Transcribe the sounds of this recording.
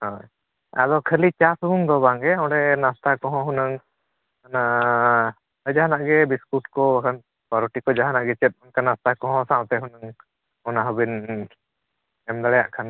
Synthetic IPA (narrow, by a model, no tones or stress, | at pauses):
hɔj | a̰d̪ɔkʰəlit͡ʃasubuŋd̪ɔβaŋɛɔ̃ɖɛnast̪akɔɦɔ̃ɦunəŋ | ana | əjd͡ʒaɦanaʔɡɛbiskuʈ̚kɔəkʰan | paɾuʈikɔd͡ʒaɦanaʔɡɛt͡ʃɛt̪̚ˀɔnkanast̪akɔ̃ɦɔ̃saʔt̪ɛɦunəŋ | ɔnaɦɔbin | ɛmd̪alɛja̰ʔkʰan